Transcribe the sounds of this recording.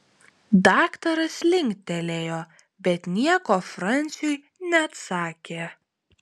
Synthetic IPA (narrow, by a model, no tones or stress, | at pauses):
d̪ɑːkt̪ɐɾɐslʲɪŋʲkt̪ʲɛlʲeːjoː | bʲɛt̪nʲiɛkoːfɾɐnʲˑt̪sʲʊj | nʲɛɐt̪sɑːkʲeː